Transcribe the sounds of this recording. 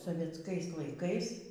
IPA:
soːʋʲiɛtsˈkɐɪs lˠɐɪˈkɐɪs

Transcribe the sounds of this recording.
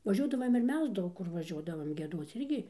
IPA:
ʋɐˈʒʲuɔdɐʋɐm ɪr ˈmʲɛs ˈdɐʊk kʊr ʋɐˈʒʲuɔdɐʋɐm ɡʲiɛˈduɔt͡s ˈɪrʲɡʲɪ

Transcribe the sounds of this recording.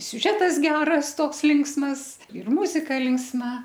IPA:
sʲʊˈʒʲæːtɐs ˈɡʲæːrɐs ˈtoːks ˈlʲɪŋksmɐs ɪr ˈmʊzʲɪkɐ lʲɪŋksˈmɐ

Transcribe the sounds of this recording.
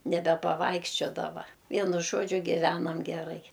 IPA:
nʲɛbʲɛpɐˈʋɐɪkʃʲt͡ʃʲoːdɐʋɐ ˈʋʲiɛnʊ ˈʒoːd͡ʒʲʊ ɡʲɪˈʋʲæːnɐm ɡʲɛˈrɐɪ

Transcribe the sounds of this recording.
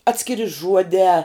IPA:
ˈɑːtʲsʲkʲɪrʲɪ ˈʒuɔdʲɛː

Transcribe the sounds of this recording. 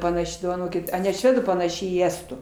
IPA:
pɐˈnɑːʃʲɪ doːʋɐˈnoːkʲɪt ɐ nʲɛ ˈʃʲʋʲæːduː pɐnɐˈʃʲɪ iː ˈæːstuː

